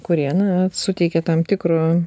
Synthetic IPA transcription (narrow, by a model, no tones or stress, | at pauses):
kʊɾʲiɛnɐsʊt̪ʲɛɪkʲɛt̪ɐmt̪ʲɪkɾo